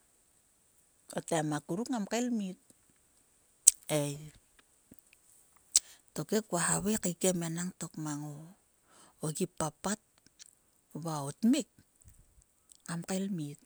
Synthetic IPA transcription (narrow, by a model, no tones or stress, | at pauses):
o̰tamakuɾukŋamkalmit̚ | ej | to̞kekuwahaβekikemenaŋto̞kmaŋo | oɡipːapat̚ | βaotmik̚ | amkalmit